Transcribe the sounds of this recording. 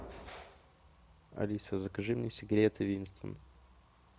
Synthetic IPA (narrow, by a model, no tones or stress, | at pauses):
ɐ̰lʲisəzəkɐʐɨmnʲɪsʲɪɡɾʲet̪ɪvʲinst̪və̰n